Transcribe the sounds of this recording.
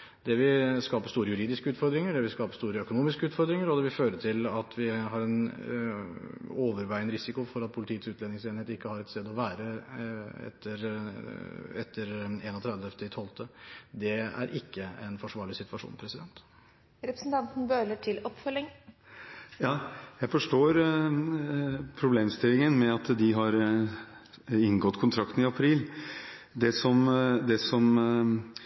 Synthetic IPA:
d̪ɛʋɪskɑːpəʂst̪uːɾəjʉɾiːd̪ɪskəʉːt̪fɔɾd̪ɾɪŋəɖɛʋɪskɑːpə̥st̪uːɾəœkʊnuːmɪskəʉːt̪fɔɾd̪ɾɪŋəɾɔd̪ɛːʋɪføːɾəʈ̪ʰɪlɑt̪ʰʋɪɦɑɾɛn | oːʋəɾʋæɪənəɾɪsɪkʊfɔɾɑt̪̚pʰʊlɪt̪ʰiːət̪sʉːt̪lɛːnɪŋseːnheːt̪ɪkːəhɑɾɛt̪st̪eːd̪ɔʋæːɾə | ɛ̰t̪ʰːəɾ | ɛt̪ʰːəɾeːnɔt̪ʰɾɛd̪əɛft̪ɪt̪ʰɔlt̪ʰəd̪ɛæ̰ɾʔɪkːəɛnfɔʂʋɑːɭɪsɪt̪ʋɑʂṵːnpʰɾɛsɪd̪ɛnt̪ | ɾɛpɾəsn̩t̪ʰɑnt̪n̩bøːləʈʰɪlɔpːfœlɪŋ | jɑːjæɪfɔʂʈoːɾ | pʰɾʊbleːmst̪ɪlːɪŋənmɛɑt̪d̪ɪɦɑɾ | ɪŋɡɔt̪ːkʰʊnt̪ʰɾɑkt̪n̩ɪɑpʰɾiːl | d̪ɛsɔmd̪ɛsɔm

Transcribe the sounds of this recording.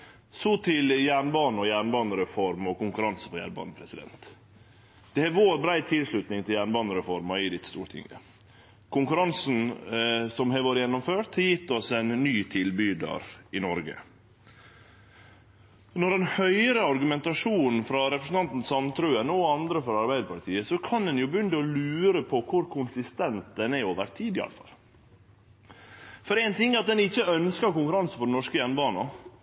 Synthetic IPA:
sɔt̪ʰɪljæːɳbɑːnəɔjæːɳbɑːnəɾɛfɔɾmɔkʊŋkʉɾɑnsə̥pʰɔjæ̰ːɳbɑ̰ːnəpʰɾɛsɪd̪ɛ̰nt̪ | d̪̥ɛhɛʋoːɾbɾæɪt̪ʰɪlʂɭʉt̪nɪŋt̪ʰɪljæːɳbɑːnəɾɛfɔɾmɑɪd̪ɪt̪ːst̪uːɾʈ̪ʰɪ̰ŋɡə̰ | kʰʊŋkʉɾɑnsn̩sɔmhɛʋoːɾəjɛnːɔmføːt̪hɑjɪt̪ːɔsɛnnːyːt̪ʰɪlbyːd̪ɑ̰ɾɪnɔɾɡə̰ | nɔɾɛnhœʏɾəɑɾɡʉmɛnt̪ɑʂuːn̩fɾɑɾɛpɾəsn̩ɑnt̪n̩sɑmt̪ʰɾøːənɔɑnd̪ɾəfɾɑɑɾbæɪd̪əpʰɑt̪ʰiːəsɔkʰɑnd̪ɛnjʊbʉnd̪əɔlʉːɾəpʰɔkʰʊɾkʰʊnsɪst̪ɛnt̪̚d̪ɛnæoːʋə̰ɾt̪ʰiːd̪ɪɑ̰ləfɑ̰lː | fɔɾæɪnt̪ʰɪŋːɑt̪̚d̪ɛnɪçːəœnskəɾkʊŋkʉɾɑnsəfɔɖɛnɔʂkəjɛnbɑːnɑ

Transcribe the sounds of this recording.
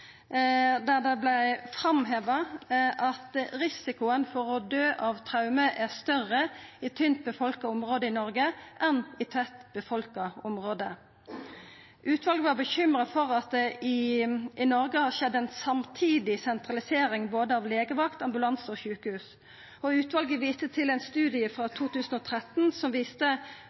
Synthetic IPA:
d̪æʁd̪ɛblæɪfɾɑmɦeːʋəʔɑt̪ɾɪsɪkʊənfɔʁɔd̪øːʔɑʋt̪ʰʁɑʉməʔæʁst̪œʁːəɪt̪ʰʏnt̪̚bəfɔlkəɔmʁoːd̪əɪnɔɾɡəʔɛnɪt̪ʰœt̪bəfɔlkəɔmʁoːd̪ə | ʔʉːt̪ʰʋɑlɡəʋɑbəçʏmʁəfɔʁɑt̪̚d̪ɛʔɪʔɪnɔʁɡəhɑʃɛd̪ːɛnsɑmt̪ʰiːd̪ɪsɛnt̪ʁɑlɪseːɾɪŋboːd̪əɑːʋleːɡəʋɑkt̪ɑmbʉlɑnsoːçʉːkəhʉːs | ɔʉːt̪ʋɑlɡəʋiːst̪ət̪ʰɪlɛæɪnst̪ʉːd̪ɪəfʁɑːt̪ʰuːt̪ʰʉːsn̩ɔːt̪ʰʁɛt̪n̩sɔmʋiːst̪ə

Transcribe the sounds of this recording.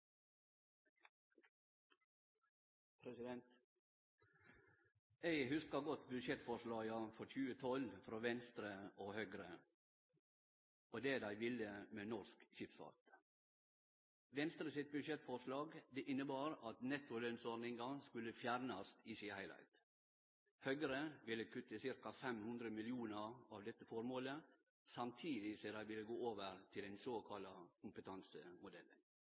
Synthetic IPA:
pʰɾɛsɪd̪ɛnt̪ | ɛɪhʉskɑɡɔt̪bʉd̪ʃjɛt̪fɔɾʂlɑːɡɑfɔɾçʉːət̪ʰɔlfɾoːʋɛnst̪ɾəoːhœɡɾə | ʔoːd̪eːd̪æɪʋɪləmeːnɔskçɪpfɑ̰ːt̪ | ʋɛnst̪ɾəsɪt̪̚bʉʂɛt̪fɔɾʂlɑːɡd̪ɛʔɪnːəbɑːɾɑt̪nɛt̪ːʊlœnsɔɾnɪŋɡɑskʉlːəfjæɾnɑst̪iːsɪhæɪlæ̰ɪt̪ | hœɡəɾəʋɪlːəkʰʉt̪ːəsɪɾkɑfɛmhʉnd̪ɾəmɪlɪuːnəɾɑʋd̪ɛt̪ːəfɔɾmoːlə | sɑmt̪ʰiːd̪ɪsɛd̪æɪʋɪlːəɡoːoːʋəɾt̪ʰɪlɛnsoːkʰɑlɑkʰʊmpət̪ʰɑnsəmʊd̪ɛlːə̰n

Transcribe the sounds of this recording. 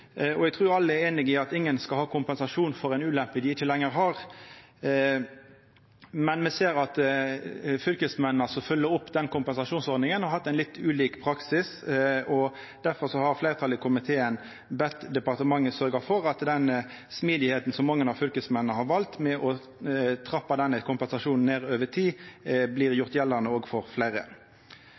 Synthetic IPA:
ɔɛɡ̚t̪ʰɾuːjʊɑlːəæɾeːnɪɡiːɑt̪ɪŋːənskɑlhɑːkʰʊmpɛnsɑʂuːnfɔɾæɪnʉːlɛmpəd̪ɪɪçːəlɛŋːəɾɦɑɾ | mɛnmɛseːɾɑt̪ | fʏlkəsmɛnn̩ɑsɔfœlːəɾʊpːd̪ɛnkʊmpɛnsɑʂuːnsɔɾd̪nɪŋənhɑɾhɑt̪ːæɪnlɪt̪ːʉːliːkpʰɾɑksɪsɔ | d̪̥æɾfɔɾsɔhɑɾfleɪɾət̪ʰɑləkʰʊmɪt̪ʰeːən | bɛt̪ːd̪ɛpɑʁt̪əmɑŋːəsœɾɡəfɔɾɑt̪d̪ɛn | smiːd̪ɪheːt̪n̩sɔmːɑŋːənɑʋfʏlkəsmɛnənəhɑʁʋɑlt̪mɛʔɔ | t̪ʰɾɑpːɑd̪ɛnːəkʰʊmpɛnsɑʂuːnn̩ːeːʁøːʋət̪ʰiːblɪːɾjʊɾt̪jɛlːənəoːɡfɔʁflæɪɾə̰

